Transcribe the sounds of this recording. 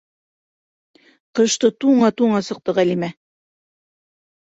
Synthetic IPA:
qɤ̆ʃt̪ɤt̪uɴɑt̪uɴɑsɤ̆q̚t̪ɤʁælimæ

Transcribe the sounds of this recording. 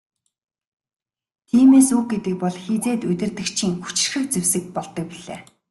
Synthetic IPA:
t̪ʰiːmeːsux̚ɡet̪ɘ̆k̚pɔɮxit͡seːt̪ɵt̪ʲɪ̆rt̪ɘ̆kt͡ɕʰiːŋxu̥t͡ɕɪ̥̆rxɘ̆k̚t͡sewsɘ̆k̚pɔɮt̪ɞ̆k̚piɮḛː

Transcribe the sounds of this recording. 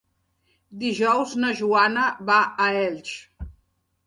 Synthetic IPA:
d̪iʒɔwznəʒuanəβaʔəɛʎʲt͡ʃ

